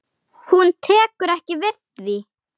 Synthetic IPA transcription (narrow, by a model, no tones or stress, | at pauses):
hunt̪ʰɛːkʏɾɛhcɪvɪðvi